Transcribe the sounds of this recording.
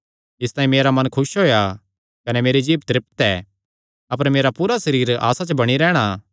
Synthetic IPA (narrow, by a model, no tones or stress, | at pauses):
ɪst̪aːĩmeːɾamɐnkʰʊsɦoːja | kɐnɛmeːɾed͡ʒiːpt̪ɾɪp̚t̪ɛː | ɐp̬əɾmeːɾapuːɾasɐɾiːɾa̰ːsat͡ʃbɐɽ̃iɾɛːɽ̃a